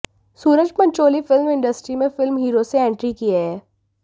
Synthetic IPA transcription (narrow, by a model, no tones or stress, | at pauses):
suːɾəd͡ʒpɐ̃ɲt͡ʃoːlifɪlmɪ̃ɳɖəsʈɾimẽfɪlmɦiːɾoseɛ̃ːɳʈɾikieɦɛː